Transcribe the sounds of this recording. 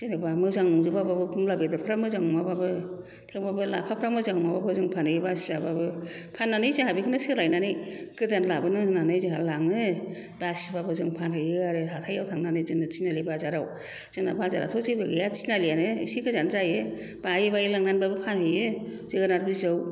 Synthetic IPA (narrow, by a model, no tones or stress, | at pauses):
zɯnɯbamɯzaŋmuŋzɯbababɯbɯmlabedɯpʰɯɾamɯzaŋmababɯ | tʰewbabɯla̰pʰapʰɾamɯzaŋumababɯzɯŋpʰanhɯjibasizababɯ | pʰanːanɯjzaŋhabikʰɯnɯsiɡɯlajnanɯjɡɯdanlabɯnɯnanɯjzɯɦaɾlaŋnɯ | basbabɯzɯŋpʰanɦɯjɯɡaɾɯɦatʰajawtʰaŋnanɯzɯŋnɯt͡ʃinalibazaɾaw | z̥ɯŋna̰baza̰ɾa̰tʰɔzibɯɡejat͡ʃi̥nalianɯsikɯzanzaje | b̥ajibajilaŋnanbabɯpʰanhɯjɯzɯɡɯnaɾbɯzɯw